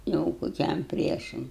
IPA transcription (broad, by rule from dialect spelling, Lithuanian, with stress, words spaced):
ˈjɛʊ koːˈkʲɛm ˈpʲrʲiɛʃɐm